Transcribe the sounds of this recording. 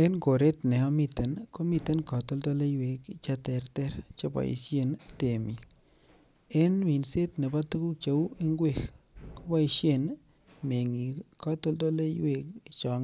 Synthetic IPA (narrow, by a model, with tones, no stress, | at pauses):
e˦nko˨ɾe˦tnɛ˨ɔ˦mi˦te˨nko˦mi˨te˦nkɔ˨to˦lto˦le˦jwe˨˧kit͡ʃa˦tɛ˨˧ɾtɛ˦ɾt͡ʃe˦ba̰˨ḭ˨sje˦˨nte˨mi˨ | e˦nmi˨nse˦tne˨ba˦tu˦ku˦t͡ʃe˦we˦ŋɡwe˦˨xko˦ba˦i˧ʃje˦n | me˨ŋi˨kɔ˦to˦lto˦le˦we˧ki˨t͡ʃɔ˨ŋ